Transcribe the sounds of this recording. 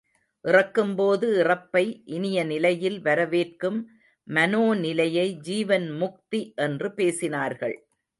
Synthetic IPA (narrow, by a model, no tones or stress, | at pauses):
ʔɪrɐkːɯmpoːðɯɪrɐpːɐɪʔɪnɪjɐnɪlɐjɪlʋɐɾɐʋeːrkɯmː | ɐnoːnɪlɐjɐɪd͡ʒiːʋɐnmʊk̚t̪iʔɛndrɯpeːsɪnaːɾɣɐ̰ɭ